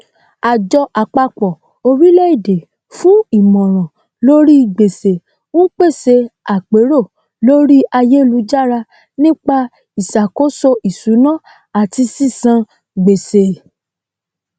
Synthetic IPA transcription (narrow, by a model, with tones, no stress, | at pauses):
a˨d͡ʒɔ˧ʔa˨k͡pa˧k͡pɔ˨ | o˧ɾi˦lɛ˦i˦˨de˨ | fũ˦i˦˨mɔ̃˨ɾ̃ɔ̃˨ | lo˦ɾi˦˨ɡ͡be˨se˨ | nũ˦k͡pe˦˨se˧a˨k͡pe˨˦ɾo˦˨ | lo˦ɾi˦a˧je˦lu˨˧˦d͡ʒa˦˨ɾa˧ | nĩ˦k͡pa˧ | i˨sa˨ko˨˦so˧ʔi˨sũ˨˦nã˦˨ | a˨ti˧si˦˨sã˧ | ɡ͡be˨se˨